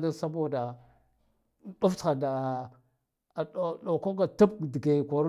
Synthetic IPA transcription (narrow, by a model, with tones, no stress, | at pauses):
nda˦sa˦bo˦˨da˨˦ | ɗa˦ft͡sxa˨da˨ | ɗo˨ko˦ɡa˨ta˦pdi˨ɡe˨ko˨ɾ